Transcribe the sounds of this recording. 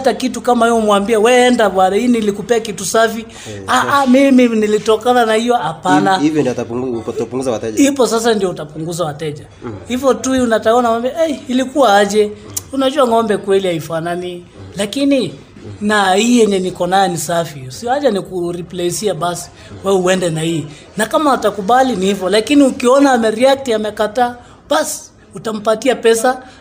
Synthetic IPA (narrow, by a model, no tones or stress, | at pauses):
takitukamahiɔmwambiawɛːndaɓwanainilikupɛakitusafi | aʔamiminilitɔkananahijɔhapanaivjɔndiɔttapuŋɡuzawatɛʄhipɔsas̬andiɔutapuŋɡuzawatɛʄa | hivɔtuiunataɔnamwambiaɛːlikuwaaʄɛunaʄuaŋɔmbɛkwɛlihaifanani | lakini | nahiːjɛɲɛnikɔnajɛnisafisiɔaʄanikuɾiplɛsiaɓasi̥ | wɛuɛndɛnahiː | nakamautakuɓalinihivɔlakiniukiɔnaːmɛɾiaktiamɛkataː | ɓasi̥ | utam̩patiapɛsa